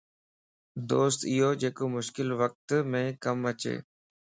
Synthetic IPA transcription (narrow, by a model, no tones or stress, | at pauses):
d̪oːst̪ɪɦoːd͡ʒeːkoːmʊʃkɪlʋək̚t̪mẽːkəmət͡ʃḛː